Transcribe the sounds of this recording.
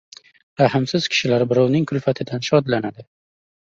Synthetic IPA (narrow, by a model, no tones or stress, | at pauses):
ɾahɪmsɪz̥kʲʰɪ̥ʃɪlaɾbɪɾɒwnɪŋkʰʊlfat̪ʰɪd̪anʃɒd̪lanad̪ɪ